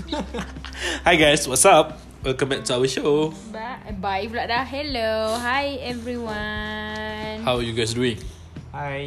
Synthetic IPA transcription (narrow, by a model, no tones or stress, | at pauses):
hajɡaɪswɔtsap̚ | wɛlkə̃mbɛk̚tuawəʃo | babajiflaʔ̚daɦɛloɦajɛvɹiwa | nhawajuɡaɪs̬duĩŋ